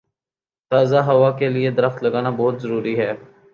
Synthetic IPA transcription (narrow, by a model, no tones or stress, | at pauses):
t̪aːzaɦɐʋaːkelied̪əɾəxt̪lɐɡaːnabɔɦʊt̪zəɾuːɾiɦɛː